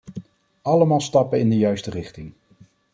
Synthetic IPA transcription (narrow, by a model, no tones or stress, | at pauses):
ɑləmaːlˠstɑpənɪndəjœɥstərɪχtɪŋ